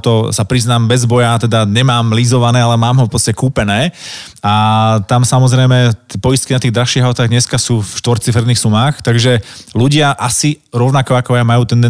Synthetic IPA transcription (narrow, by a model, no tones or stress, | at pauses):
t̪ɔsapɾiznaːmbɛzbɔjat̪ɛd̪aɲɛmaːmlizɔʋanɛːalɛmaːmɦɔfpɔt͡st̪acɛkuːpɛnɛː | at̪amsamɔzɾɛjmɛt̪pɔjist̪̚kinat̪iːɣd̪ɾalʃiːɦaʊt̪aːɣdɲɛskasuːfʃt̪ʋɔɾt͡sifɛɾd̪niːxsumaːxt̪aɡʒɛluɟɪaʔasiɾɔʊnakɔakɔjamajuːt̪ɛnd̪ɛ